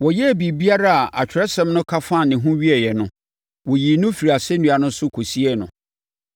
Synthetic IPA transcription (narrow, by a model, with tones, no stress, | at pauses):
wɔ˨jɛ˦æ˨bi˨bi˦a˦ɾa˦a˨ʔa˨t͡ɕᶣɪ˨ɾɛ˦sɛ̃˦mnʊ̃˦kʰa˦fã˦˨nɪ̃˨ɦũ˦ɥi˦ɛ˨jɛ˨nʊ̃˦ | wɔ˨ji˨nʊ̃˦fi˨ɾi˨a˨sɛ˦nũ˨a˨nʊ̃˦sʊ˦kʰo˨si˦ɛ˦nʊ̃˨